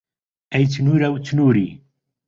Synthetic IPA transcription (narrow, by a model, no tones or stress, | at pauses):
æjt͡sːnʊɾæwt͡sːnuɾi